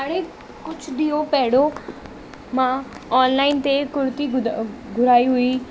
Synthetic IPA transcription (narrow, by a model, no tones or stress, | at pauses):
aːɽe | kʊt͡ʃʰd̪iːõpɛːɽo | mã | ɔːnlaːɪnt̪ekʊɾt̪iɡʱʊɾaːiɦʊi